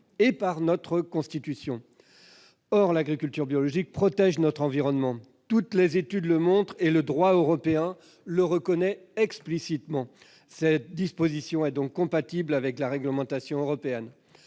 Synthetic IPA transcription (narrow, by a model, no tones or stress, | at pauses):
epaʁnɔt̪χəkɔ̃st̪it̪ysjɔ̃ | ɔʁlaɡʁikʲylt̪yʁbjɔlɔʒik̚pχɔt̪ɛʒnɔt̪χɑ̃viʁɔnmɑ̃ | t̪ut̪lezet̪yd̪ləmɔ̃t̪χeləd̪ʁwaøʁɔpeɛ̃ | ləʁəkɔnɛɛksplisit̪mɑ̃ | sɛt̪̚d̪ispozisjɔ̃ɛd̪ɔ̃kːɔ̃pat̪iblavɛklaʁɛɡləmɑ̃t̪asjɔ̃øʁɔpeɛn